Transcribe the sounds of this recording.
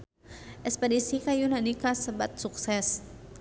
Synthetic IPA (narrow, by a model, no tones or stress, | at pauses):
ʔɛspɛdisikajunanikasəbat̪̚suksɛs